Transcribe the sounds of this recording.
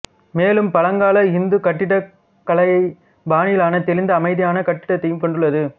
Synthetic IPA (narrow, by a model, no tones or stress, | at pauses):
meːlɯmpɐlɐŋɡaːlɐɪnd̪ɯkɐʈːɪɽɐ | kːɐɭɐɪɐɪ | baːnɪjɪlaːnɐt̪ɛlɪnd̪ɐːmɐɪðɪjaːnɐkɐʈːɪ̥ɽɐt̪ːɐjɯmkɔɳɖɯɭːɐðɯ